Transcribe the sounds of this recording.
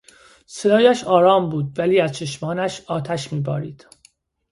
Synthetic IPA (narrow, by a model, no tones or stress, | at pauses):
sed̪ɒːjæʃɒːɾɒːmbuːd̪væliːæzt͡ʃʰe̞ʃmɒːnæʃɒːt̪ʰæʃmiːbɒ̰ːɾḭːd̪̥